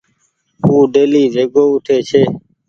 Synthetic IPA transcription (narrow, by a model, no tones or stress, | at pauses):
ɦuːɖeːliːzeːɡoːʊʈʰeːt͡ʃʰeː